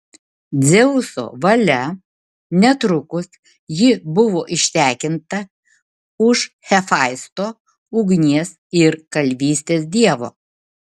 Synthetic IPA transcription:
d̪zʲɛʊso̰ːʋɐlʲɛ | nʲɛt̪ɾʊkʊs | jɪbʊʋoːʔɪʃʲt̪ʲæːkʲɪnt̪ɐ | ʊʃ | xʲɛfɑˑɪst̪oː | ʊɡnʲiɛsɪɾkɐlʲʋʲiːsʲt̪ʲeːs̬d̪ʲiɛʋo̰ː

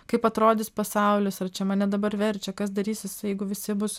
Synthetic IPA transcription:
kɐɪpɐt̪ɾoːd̪ʲɪspɐsɐʊlʲɪsɐrt͡ʃʲɛmɐnʲɛd̪ɐbɐɾʋʲɛɾʲt͡ʃʲɛkɐsd̪ɐɾʲiːsʲɪsjɛɪɡʊʋʲɪsʲɪbʊs

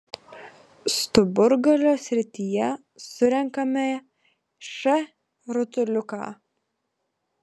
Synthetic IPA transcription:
st̪ʊbʊɾɡɐlʲoːsʲɾʲɪt̪ʲijɛ | sʊɾʲɛŋkɐmʲe | ʃɛ | ɾʊt̪ʊlʲʊkɑ̰ː

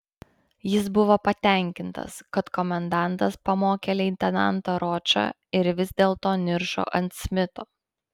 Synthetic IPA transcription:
jɪsbʊʋoːpɐt̪ʲæˑŋʲkʲɪnt̪ɐ̰skɐt̪kɔmʲɛnd̪ɑˑnˑt̪ɐspɐmoːkʲeːlʲɛɪnʲt̪ʲɛnɑ̰nt̪oːɾoːt͡ʃʲɐ̰ː | ɪɾʋʲɪzʲd̪ʲeːlˠt̪oːnʲɪɾʃo̰ːʔɐnʲt̪ʲsʲmʲɪt̪oː

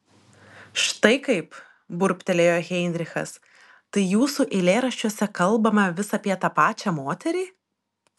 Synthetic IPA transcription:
ʃt̪ɐɪkɐɪp | bʊɾʲpʲt̪ʲɛlʲeːjoːɣʲɛɪnʲd̪ʲɾʲɪxɐ̰s | t̪ɐɪjuːsuʔɪlʲeːɾɐʃʲt͡ʃʲuɔsʲɛkɐlˠˑbɐmɐʋʲɪsɐːpʲiɛt̪ɑpɑːt͡ʃʲæmoːt̪ʲɛɾʲiː

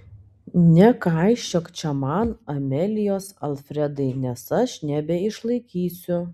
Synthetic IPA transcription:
nʲɛkɑˑɪʃʲt͡ʃʲokt͡ʃʲɛmɑnɐmʲɛlʲɪjoːsɐlˠfʲɾʲɛd̪ɐɪnʲɛsɐʃnʲɛbʲɛɪʃlˠɐɪkʲiːsʲʊ

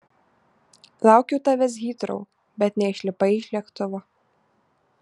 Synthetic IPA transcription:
lˠɑˑʊkʲɛʊt̪ɐʋʲɛs̬ɣʲiːt̪ɾo̰ʊ | bʲɛt̪nʲɛɪʃʲlʲɪpɐɪɪʃʲlʲɛkt̪ʊʋo

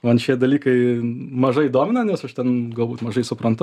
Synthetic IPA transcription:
oːɐnʃʲiɛd̪ɐlʲiːkɐɪmɐʒɐɪid̪oːmʲɪnɐnʲɛsɐʃt̪ʲɛnɡɐlˠbuːt̪mɐʒɐɪsʊpɾɐnt̪ʊ

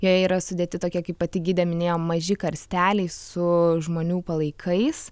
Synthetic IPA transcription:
joːjɛiːɾɐsʊd̪ʲeːt̪ʲɪt̪oːkʲiɛkʲɐɪppɐt̪ʲɪɡʲiːd̪ʲɛmʲɪnʲeːjoːmmɐʒʲɪkɐɾʲsʲt̪ʲæːlʲɛɪsʊʒmoːnʲuːpɐlˠɐɪkʰɐɪs

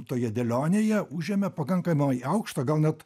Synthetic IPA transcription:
t̪oːjɛd̪ʲɛlʲoːnʲeːjɛʊʒʲeːmʲɛpɐkɐŋkɐmʲɐɪɐʊkʃt̪ɐɡɐlˠnʲɛt̪

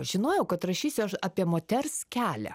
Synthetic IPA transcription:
ʒʲɪnoːjɛʊkɐt̪ɾɐʃʲiːsʲʊɐʃɑːpʲiɛmoːt̪ʲɛrskʲæːlʲæ̰

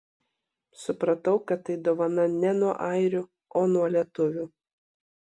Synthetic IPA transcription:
sʊpɾɐt̪ɐʊkɐt̪ːɐɪd̪oːʋɐnɐnʲɛnuɔʔɐɪɾʲʊ | oːnuɔlʲiɛt̪ʊʋʲuː

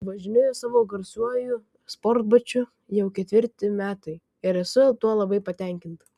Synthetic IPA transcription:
ʋɐʒʲɪnʲoːjoːsɑːʋoːɡɐɾsuɔjʊ | sport̪bɐt͡ʃʲʊ | jɛʊkʲɛt̪ʲʋʲɪɾʲt̪ʲɪmʲæːt̪ɐɪ | ɪɾɛsʊt̪uɔlˠɐbɐɪpɐt̪ʲɛŋʲkʲɪnt̪

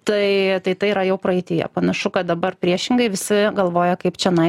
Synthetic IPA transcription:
t̪ɐɪt̪ɐɪt̪ɐɪiːɾɐjɛʊpɾɐɪt̪ʲɪjɛ̰pɐnɐʃʊkɐt̪̚d̪ɐbɐrpʲɾʲiɛʃʲɪŋɡɐɪʋʲɪsʲɪɡɐlˠʋoːjɛkɐɪpt͡ʃʲɛnɐɪ

